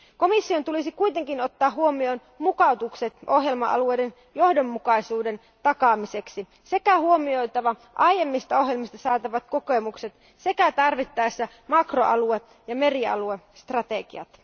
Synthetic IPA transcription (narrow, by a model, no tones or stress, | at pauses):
komisːio̞nt̪ulisikuit̪eŋkino̞t̪ːɑːuomioːn | mukɑut̪ukset̪ʔo̞ɦje̞lmɑʔɑ̰luejde̞n | jo̞hdomːukɑisuːde̞n | t̪ɑkɑːmise̞ksi | se̞kæhuo̞mio̞jt̪ɑʋɑ | ʔɑje̞mːist̪ɑo̞ɦjelmist̪ɑsɑːt̪ɑʋɑt̪̚kokemukse̞t̪ | se̞kæt̪ɑrʋit̪ːɑesːæ | mɑkroʔɑ̰lue | jɑme̞riɑ̰lue | st̪rɑt̪e̞ɡḭɑ̰t̪